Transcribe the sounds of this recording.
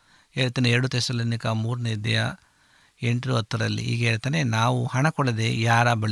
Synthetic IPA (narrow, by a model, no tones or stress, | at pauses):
eːɭt̪ɐneɛɾɽut̪esɐlɐnikɐmuːɾɐned̪ɐjɐ̰ | eɳʈɾuɐt̪ːɐɾɐlːḭḭːɡɐɦeːɭt̪ɐnenaːʋuhɐɳɐkɔɭɐd̪e̞jaːɾɐbɐɭ